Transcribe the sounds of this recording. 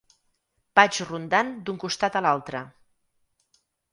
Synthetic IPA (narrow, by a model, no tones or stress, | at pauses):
pad͡ʒrund̪and̪uŋkust̪at̪əlalˠt̪ɾə